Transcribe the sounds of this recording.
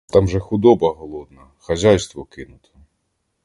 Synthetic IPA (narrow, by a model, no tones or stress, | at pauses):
t̪ɑmʒɛxʊd̪ɔbɐɦɔlˠɔd̪nɐ | xɐzʲajst̪ʋɔkɪnʊt̪ɐ̥